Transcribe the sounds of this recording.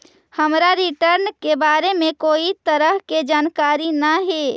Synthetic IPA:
hɐmɾaɾɪʈəɾnkebaːɾemẽkoːit̪əɾəɦked͡ʒaːnkaːɾinaɦeː

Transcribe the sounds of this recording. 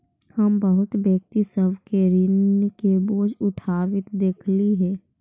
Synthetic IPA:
həmbəɦʊt̪bjək̚t̪isəbkeɾɪnkeboːd͡ʒʊʈʰaːwɪt̪d̪eːkʰliɦɛː

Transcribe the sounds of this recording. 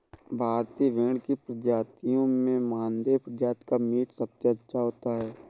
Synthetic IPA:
bʱaːɾt̪iʋeːɳkipɾəd͡ʒaːt̪ijõmẽmãːnd̪epɾəd͡ʒaːt̪kamiːʈsəbseətːʃʰaɦoːt̪aɦɛː

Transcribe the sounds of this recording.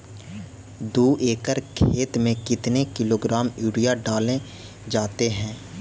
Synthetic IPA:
d̪uːʔeːkəɾkʰeːt̪mẽkɪt̪nekɪloːɡɾaːmjuːɽijaɖaːlẽ | d͡ʒaːt̪eɦɛ̃ː

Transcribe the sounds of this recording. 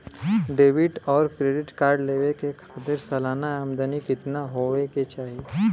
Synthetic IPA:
ɖeːʋɪʈɔːɾkɾeːɖɪʈkaːɾɖleːʋekekʰaːt̪ɪɾsɐlaːnaəmd̪ənikɪt̪naɦoeket͡ʃaːɦie

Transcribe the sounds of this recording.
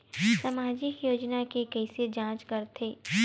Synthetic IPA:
sɐmaːd͡ʒɪkjoːd͡ʒnakekɛːsed͡ʒãːt͡ʃkɐɾt̪ʰeː

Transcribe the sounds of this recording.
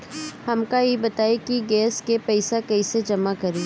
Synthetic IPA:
hɐmkajebɐt̪aːekiɡɛːskepɛːsakɛɪsed͡ʒɐmakɐɾeː

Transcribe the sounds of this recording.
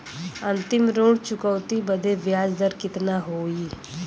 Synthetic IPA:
ə̃nt̪ɪmɾoːɽt͡ʃʊkəːt̪ibəd̪eʋjaːd͡ʒd̪əɾkɪt̪naːɦoːiː

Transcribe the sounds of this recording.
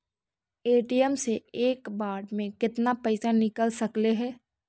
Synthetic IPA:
eːʈijəmseeːkbaːɖmẽkɪt̪napɐɪsanɪkəlsɐkleɦɛː

